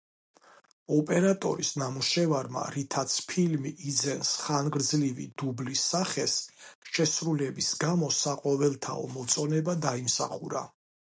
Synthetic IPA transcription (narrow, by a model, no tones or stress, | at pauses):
ɔpʼɛɾat̪ʼɔ̰ɾisnamuʃɛvaɾma̰ɾit̪ʰat̪sʰpʰilmiʔːd̪zɛnsχanɡɾd̪zlivḭd̪̥ublisːaχɛsʃɛsɾulɛbisɡamɔsaqʼɔvɛlˠt̪ʰa̰ɔ̰mɔt̪sʼɔnɛbad̪aimsa̰χuɾa̰